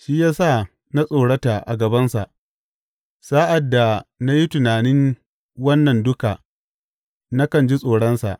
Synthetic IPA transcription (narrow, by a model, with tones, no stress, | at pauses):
ʃiː˦jaː˦sa˦˨ | na˦sʼoː˨ɽɐ˦taː˨ʔa̰˨ɡɐ˨bɐ˦nsa˨ʔ | saː˦ʔa˨dːa˨na˦ji˦tʊ˨naː˨nɪ˦n | wɐ˦nːɐ˨ndʊ˦kaː˨ | na˦kɐ˨nd͡ʒi˦sʼoː˨ɽɐ˦nsa̰˨ʔ